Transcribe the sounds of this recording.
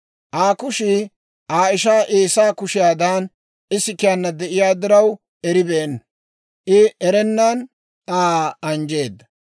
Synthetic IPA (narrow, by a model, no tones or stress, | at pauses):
ʔaːkʊʃɪ | ʔaːɪʃaːʔeːsaːkʊʃɪjaːd̪aːn | ɪsɪkɪjanːɐd̪ɛʔɪjaːd̪ɪɾɐw | ʔɛɾɪbeːn | ʔɪʔɛɾɛnːɐn | ʔaːɐnd͡ʒe̞ːd̪ːɐ